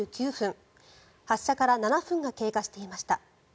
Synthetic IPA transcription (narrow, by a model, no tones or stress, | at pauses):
ɨːkʲɨːɸɯ̟̃ŋ | haɕːakaɾananaɸɯ̟̃ŋɡake̞ːkaɕi̥t̪e̞imaɕi̥t̪a